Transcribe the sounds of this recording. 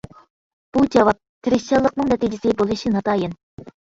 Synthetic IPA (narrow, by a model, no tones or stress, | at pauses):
b̥ud͡ʒɑvɑp̚t̪ʰɪɾɪst͡ʃɑlˠːəqnɨŋnɛt̪id͡ʒɪsɪbolˠɨʃinɑt̪ʰɑːjɪn